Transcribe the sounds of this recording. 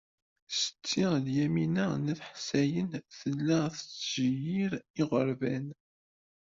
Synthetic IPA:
sə̥t͡sːiʁljæminænəθħsæjənθəlːæθət͡sːʒəjiɾiʁəɾˤvæn

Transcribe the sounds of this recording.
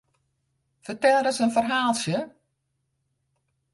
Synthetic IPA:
fərtɛlˠdəsənfərɦaːlˠsjə

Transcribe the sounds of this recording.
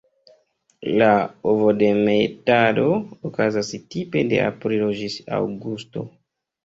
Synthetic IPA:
laovode̞metado̞okazastipe̞de̞̰ʔa̰pɾilo̞d͡ʒisa̰wɡusto̞

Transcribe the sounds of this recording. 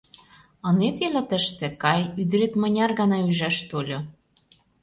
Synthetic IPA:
ɤ̆net̪elə̆t̪ə̆ʃt̪ĕkɑjyd̪ɾet̪mə̆nʲɑrɣɑnɑyʒæʃt̪olʲo

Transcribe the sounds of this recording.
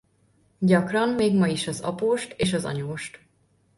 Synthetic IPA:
ɟɒkrɒmmeːɡmɒiʃɒzɒ̰poːʃt̪eːʃɒzɒ̰ɲoːʃt̪

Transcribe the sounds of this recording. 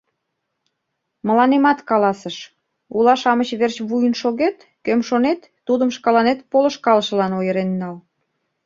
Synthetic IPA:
mə̆lɑnemɑt̪kɑlɑsəʃ | ulɑʃɑmət͡ɕβert͡ɕβujənʃoɣet̪ | kømʃonet̪ːud̪əmʃkɑlɑnet̪polə̆ʃkɑlʃə̆lɑnojəɾenːɑl

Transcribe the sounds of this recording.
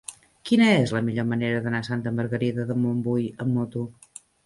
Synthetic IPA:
kinəezləmiʎoməneɾəðənasant̪əməɾɣəɾiðəðəmumbujəmːot̪u

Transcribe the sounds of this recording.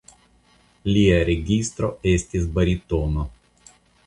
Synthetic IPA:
lʲiɐɾʲeɡʲist̪ɾoesʲt̪ʲis̬bɐɾʲit̪ono

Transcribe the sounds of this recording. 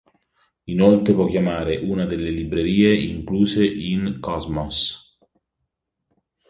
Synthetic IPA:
inolt̪ɾepwɔkːjamaːɾeʔunad̪elːelibɾeɾiːeḭŋkluːseʔiŋkɔzmɔs

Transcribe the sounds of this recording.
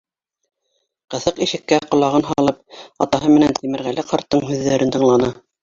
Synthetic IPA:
qɤ̆θɤqiʃɘ̆kːæqŏlˠɑʁɤnɦɑlˠɤp̚ɑ̰t̪ɑɦɤmɘ̆nænt̪imɘ̆ɾɣælɘqɑɾt̪ːɤɴɦʉðːæɾɘnt̪ɤ̆ɴlˠɑnɤ

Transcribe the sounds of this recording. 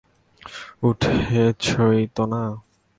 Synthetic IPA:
uʈʰet͡ɕʰojt̪ona

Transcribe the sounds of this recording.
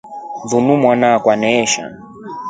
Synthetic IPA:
ðunumwanakwanɛːʃa̰

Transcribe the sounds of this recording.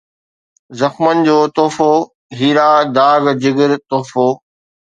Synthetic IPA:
zɐxmənɪ̆d͡ʑoːt̪oːfoː | ɦiːɾaːd̪aːɡd͡ʑɪɡɪɾt̪oːfoː

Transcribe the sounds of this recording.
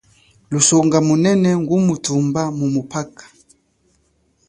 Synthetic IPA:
lusɔŋɡamunɛnɛŋɡumutumbamumupakḁ

